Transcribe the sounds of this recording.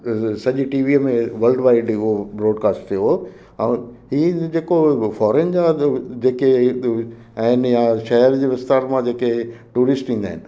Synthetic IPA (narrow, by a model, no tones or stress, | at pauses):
sɐʄiʈiːʋiːmẽʋɐlɖʋaːɪɖʊɦobɾɔːɖkaːsʈt̪ʰijo | ɛ̃ːɦiːd͡ʑeːkofɔːɾend͡ʑaːd͡ʑeːke | ɛ̃ːnjãʃɐɦəɾd͡ʑeːʋɪst̪aːɾmãd͡ʑeːkeʈuːɾɪsʈĩːnd̪aːɦɪnɪ̆